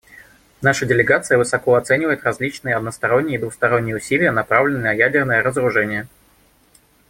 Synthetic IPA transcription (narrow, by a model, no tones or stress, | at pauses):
naʂədʲɪlʲɪɡat̪sɨjəvɨsɐkoɐt̪sɛnʲɪvəjɪt̪rɐzʲlʲit͡ɕnɨjəɐd̪nəst̪ɐɾo̞nʲːɪjəid̪vʊxst̪ɐɾo̞nʲːɪjəʊsʲilʲɪjənɐpɾavlʲɪnɨənəjædʲɪrnəjəɾəzəɾʊʐɛnʲɪjə